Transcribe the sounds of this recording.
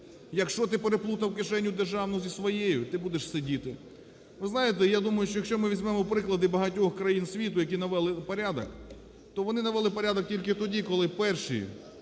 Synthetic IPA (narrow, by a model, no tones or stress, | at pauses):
jɐkʃt͡ʃɔt̪ɪpeɾeplˠut̪ɐwkɪʃɛnʲːʊd̪erʒɑwnɔzʲisʋɔjejʊt̪ɪbud̪eʃsedʲit̪ɪ | ʋɪznɑjet̪ɛjad̪umɐjʊʃt͡ʃɔjɐkʃt͡ʃɔmɪʋʲizʲmɛmɔpɾɪklˠɐd̪ɪbɐɦɐtʲɔxkɾɐjinsʲʋʲit̪ʊjɐk̬ʲinɐʋɛlˠɪpɐɾʲad̪ɐ̰k | t̪ɔʋɔnɪnɐʋɛlˠɪpɐɾʲad̪ɔk̚tʲilʲkɪt̪ɔdʲikɔlˠɪpɛrʃḭ